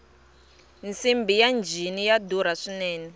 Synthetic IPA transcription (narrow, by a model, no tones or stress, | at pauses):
nt͡simbijand͡ʒʱinijaduɾ̤aʂinɛːnɛ